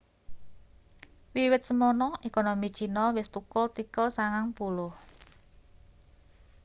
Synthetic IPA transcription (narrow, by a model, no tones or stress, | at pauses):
wiwɪt̪̚səmɔnɔʔekonomit͡ʃinɔwɪst̪ukʊlt̪ikəlsaŋaŋpulʊh